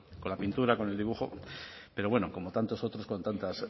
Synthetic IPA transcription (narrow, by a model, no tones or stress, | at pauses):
ko̞nlapint̪uɾako̞neld̪iβuxo̞̰pe̞ɾo̞βwe̞no̞ko̞mo̞t̪ant̪o̞so̞t̪ɾo̞sko̞nt̪ant̪as